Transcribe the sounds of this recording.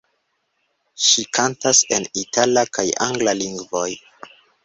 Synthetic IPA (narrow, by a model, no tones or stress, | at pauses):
ʃikʰantase̞nitʰalakajaŋɡlaliŋɡvoj